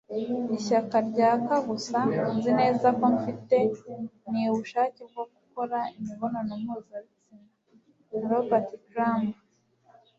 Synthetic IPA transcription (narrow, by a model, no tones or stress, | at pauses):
iʃakaɾɟaːkaɡusanzine̞ːzakoɱfite̞niβuʃaːcib̚ɡoɡuko̞ɾaimiβonanomuzait͡sina | nɾobatikɾamb